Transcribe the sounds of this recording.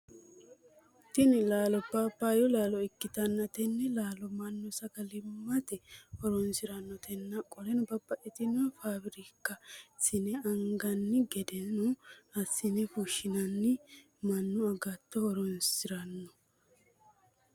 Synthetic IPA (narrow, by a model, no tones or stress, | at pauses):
t̪ɪnɪlaːlɔbɐbːaːjɔlaːlɔɪkːɪt̪ɐnːɐt̪ɛnːɛlaːlɔmɐnːɔsɐɡɐlɪmːɐt̪ɛhɔɾɔnsɪɾɐnːɔt̪ɛnːɐkʼɔlɛnʊbɐbːɐʔɛt̪ɪnʊfaːbɪɾikːɐsɪnɛɐŋɡɐnːɪɡɛd̪ɛnʊɐsːɪnɛfuʃːɪnɐnːɪ | mɐnːʊɐɡɐt̪ːɔhɔɾɔnsɪɾɐnːɔ